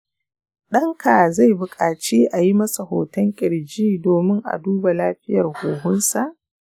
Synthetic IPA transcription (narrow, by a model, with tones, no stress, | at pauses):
ɗɐ˦ŋkʰa˨za˦˨jbʊ˨kʼaː˨t͡ʃeː˦ʔa˨ji˦mɐ˦sa˨hoː˨tɐ˦ŋkʲʼɪ˨ɽd͡ʒiː˦doː˨mɪ˦ŋʔa̰˨duː˦ba˨laː˦ɸɪ˦jɐ˨rhoː˨ɦʊ˦nsa˨ʔ